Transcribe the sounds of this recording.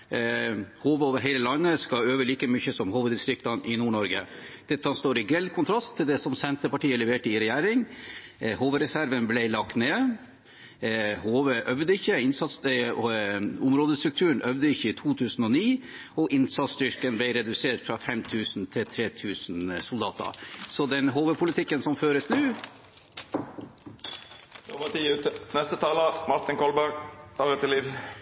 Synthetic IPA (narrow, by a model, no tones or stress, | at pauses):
hoːʋəoːʋəɾɦɛɪləlɑnːəskɑøːʋəɭiːkəmʏçəsɔmhuːʋəd̪ɪst̪ɾɪk̚t̪ɑnʔɪnuːɳɔɾɡəd̪̥ɛt̪ːhɑnst̪oːɾɪɡɾɛlkʰʊnt̪ʰɾɑst̪ʰːɪld̪ɛsɔmsɛnt̪əpɑʈiːəlɛʋeːʈəɪɾɛjæːɾɪŋ | hoːʋəɾɛsæɾʋənblɛɪlɑkt̪neː | hoːʋəʔœʋd̪əɪçːəɪnsɑt̪s | ʊmɾoːd̪əst̪ɾʉk̚t̪ʰʉːɳ̩œʋd̪əɪçːəɪt̪ʰuːt̪ʰʉːsn̩ɔniːɔʔɪnsɑt̪st̪ʏɾkənblɛɪɾɛd̪ʉseːʈfɾɑfɛmt̪ʰʉːsnt̪ʰɪt̪ʰɾeːt̪ʰʉːsnsʊld̪ɑːt̪ə̰sɔd̪ɛnɦoːʋəpʰʊlɪt̪ʰɪkːənsɔmføːɾəsnʉː | ɔpɑʈ̪iːʉːt̪ənɛst̪ət̪ʰɑːləmɑɾt̪ɪŋkɔlbæɾɡɑɾɛt̪ɪliːʋ